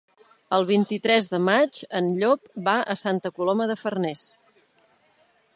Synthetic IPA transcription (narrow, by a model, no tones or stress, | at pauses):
əlˠβ̞int̪it̪ɾɛzðəmad͡ʒənʎopbaʔəsant̪əkuloməðəfərnɛs